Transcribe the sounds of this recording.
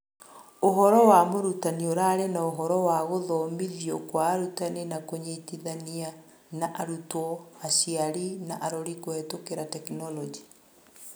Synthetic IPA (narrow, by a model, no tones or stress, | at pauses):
oɦɔɾɔwamoɾutanioɾaɾenaoɦɔɾɔwaɣoðɔːmiðiɔkwaːɾutanenakoɲetiðania | naʔaɾutɔaʃiaɾinaʔaɾoɾikoɛtokeɾatɛknɔlɔd͡ʒi̥